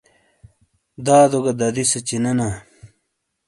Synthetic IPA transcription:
d̪aːd̪oɡɐd̪ɐd̪isɐt͡ɕinɐna

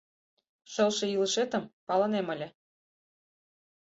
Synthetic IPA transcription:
ʃɤlʃĕjiləʃet̪ə̆mpɑlɤ̆nemə̆lʲĕ

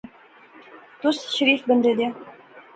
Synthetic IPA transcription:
t̪usɕ̆ɾʲifbɘ̆nd̪ĕd̪ʲe

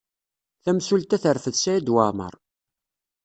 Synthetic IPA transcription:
θæmsult̪æθəɾfəðsæjæd̪wamə̰ɾˤ

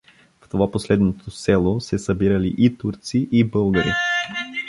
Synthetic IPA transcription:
ft̪ovaposlɛd̪not̪ʰosɛlˠosɛsɐbiɾəlḭʔit̪uɾt̪siʔibɤlˠɡəɾḭ

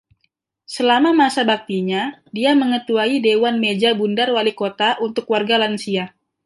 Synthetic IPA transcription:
səlamamasabak̚t̪iɲadiaməŋət̪uaidewanmed͡ʒabundarwalikot̪aʔunt̪ʊkwarɡalansia

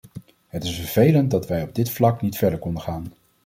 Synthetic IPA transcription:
ɦətɪsfəɹv̥ejlənt̚dɑtʋɛjɔb̚dɪtflɑknitfɛɹdəɹkɔndəχaːn

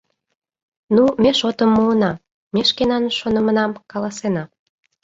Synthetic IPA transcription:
numeʃot̪əmːuənɑ | meʃkenɑnʃonə̆mə̆nɑmkɑlɑsenɑ

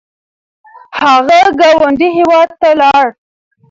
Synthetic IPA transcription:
haɣaɡɑwaɳɖiɦewɑd̪̚t̪alɑɽ

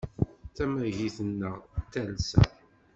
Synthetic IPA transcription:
θæmæʝiθənːəʁt̪ːælsæ̰

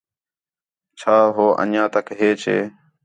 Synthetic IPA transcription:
t͡ʃʰaːɦoːʔə̰njãːt̪əkɦeːt͡ʃʰḛː

